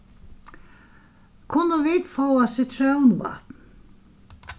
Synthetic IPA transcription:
kʰʊnːəvid̪fɔwasɪt̪ʰɾœwnva̰t̪n

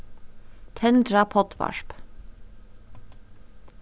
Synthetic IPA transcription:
t̪ʰɛnd̪ɾɑpʰɔt̪ʰʋɑ̰ʃp

